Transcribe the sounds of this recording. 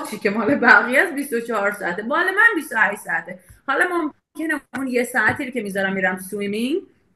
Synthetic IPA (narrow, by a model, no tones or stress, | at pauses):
t͡ʃʰicʰemɒːlebæɣijæsbist̪ot͡ʃʰɒhɒɾsɒæt̪ebɒːlemænbist̪ohæʃsɒæt̪ʰehɒlɒmom | kʰeneunjesɒæt̪ʰiːɾocʰe̞mizɒɾæmːiːɾæmt̪usuimi